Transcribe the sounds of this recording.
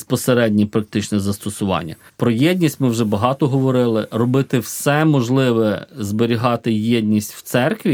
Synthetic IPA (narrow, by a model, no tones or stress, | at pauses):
spɔseɾɛdʲnʲipɾɐk̚t̪ɪt͡ʃnɛzɐst̪ɔsʊʋɑ̰nʲːɐ̰pɾɔjɛdʲnʲisʲtʲmɪwʒɛbɐɦɑt̪ɔɦɔʋɔɾɪlˠɪrɔbɪt̪ɪwsɛmɔʒlˠɪʋɛzbeɾʲiɦɑt̪ɪjed̪ʲnʲisʲtʲw̥t̪sɛrkʋʲi